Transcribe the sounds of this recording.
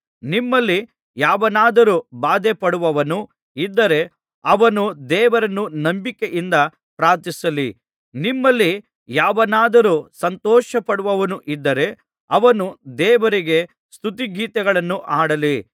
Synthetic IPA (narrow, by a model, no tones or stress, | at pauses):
nimːɐlːi | jaːʋɐnaːd̪ɐɾuːbaːd̪epɐɽuʋɐʋɐnu | id̪ːɐɾe̞ | ɐʋɐnud̪ɛːʋɐɾɐnːunɐmbikeʔind̪ɐ | pɾaːɾt̪isɐli | nimːɐlːi | jaːʋɐnaːd̪ɐɾuːsɐnt̪ɔːʃɐpɐɽuʋɐʋɐnuʔid̪ːɐɾe̞ | ɐʋɐnud̪ɛːʋɐɾiɡe̞ | st̪ut̪iɡiːt̪ɐɡɐɭɐnːuʔaːɽɐli